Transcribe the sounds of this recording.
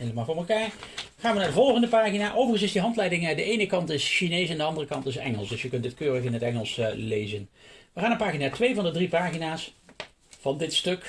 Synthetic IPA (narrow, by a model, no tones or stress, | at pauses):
eləmaːvoːɹməlˠkaːɹ | χaːnʋənaɹdəvɔlˠχəndəpaːχinaːʔowvərχən̩sɪsdiɦɑntlɛjdɪŋədəʔejnəkɑntɪsʃinejsɛndəɑndərəkɑntɪs̬ɛ̰ŋə̰lˠsdɵsjəkɵntətkøːrəkɪnətɛŋəlˠslejzənʋəχaːnənpaːχinaːtʋejvɑndədripaːχinaːs | v̥ɑndɪtstøk